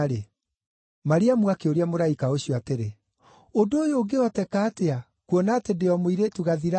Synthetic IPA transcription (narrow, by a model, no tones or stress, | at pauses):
ɾe | maɾiamwakeoɾeamoɾaikaoɕjɔateɾe | odoːjoːɡewatɛkaːtea | kwɔnatendeɔmoiɾetuɣaðiɾa